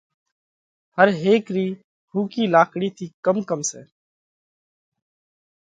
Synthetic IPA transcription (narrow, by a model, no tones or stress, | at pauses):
həɾɦeːkɾiː | ɦuːkiːlaːkɽiːt̪ʰiːkəmkəmsḛː